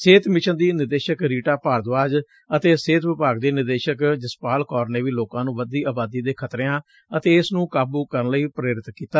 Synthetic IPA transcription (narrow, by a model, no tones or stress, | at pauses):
seːt̪ʰmɪʃənd̪iːnɪɾd̪eːʃəkɾiːʈaːpaːɾd̪ʋaːd͡ʒ | ət̪eːseːt̪ʋɪpaːɡd̪eːnɪɾd̪eːʃəkd͡ʒɪspaːlkɔːɾneːʋiːloːkãːnũːʋəd̪iːaːbaːd̪iːd̪eːkʰət̪ɾeːãː | ət̪eːɪsnũːkaːbuːkəɾənləiːpɾeːɾɪt̪kiːt̪aː